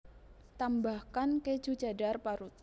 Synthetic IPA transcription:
t̪ambahkanke̥d͡ʒ̥ṳ̥d͡ʒa̤darpaɾut̪̚

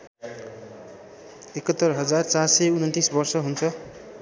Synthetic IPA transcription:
ekʌt̪ːʌrɦʌd͡zart͡sarseunʌnt̪isbʌrsʌɦunt͡sʰʌ

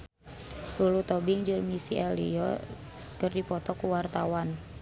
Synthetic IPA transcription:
ɾulut̪ɔbɪŋd͡ʒʊlmisiʔɛlḭɔ̰ | kɨrdipɔt̪ɔkuwart̪awan

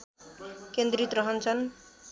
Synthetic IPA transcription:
kend̪ɾit̪ɾʌɦʌnt͡sʰʌn

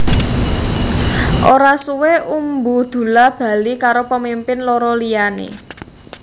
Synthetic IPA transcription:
ʔoɾasuweʔumbud̪̥ṳlab̥a̤likaɾopəmimpɪnloɾɔlijanḛ

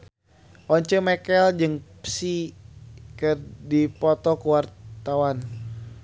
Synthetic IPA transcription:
ʔɔɲt͡ʃəmɛkɛld͡ʒɨŋpsi | kɨrdipɔt̪ɔkəwart̪awan

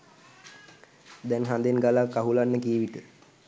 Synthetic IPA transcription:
d̪ɛnɦand̪enɡalakːaɦulanːəkiːʋit̪ə

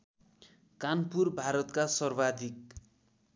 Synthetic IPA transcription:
kanpurbʱaɾʌt̪kasʌrbad̪ʱik̚

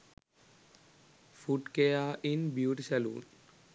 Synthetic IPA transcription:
fuʈkejaːʔinbjuːʈisɛlṵːn

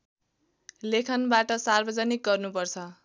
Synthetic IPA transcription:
lekʰʌnbaʈʌsarbʌd͡zʌnik̚ɡʌrnupʌrt͡sʰʌ

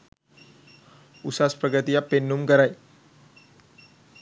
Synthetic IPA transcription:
usaspɾəɡət̪iapenːumkaɾaj

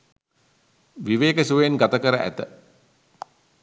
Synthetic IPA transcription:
ʋiʋeːkəsuʋejenɡat̪əkəɾəʔæ̰t̪ə

